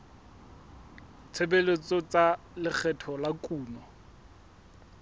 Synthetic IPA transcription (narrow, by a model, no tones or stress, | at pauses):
t͡sʰebelet͡sɔt͡sa | lɪk͡xʰɛtʰɔlakʼuːnɔ